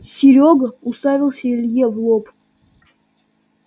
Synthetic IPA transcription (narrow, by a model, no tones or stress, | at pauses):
sʲɪɾʲoɡəʊst̪avʲɪlˠsʲəɪlʲjevlˠop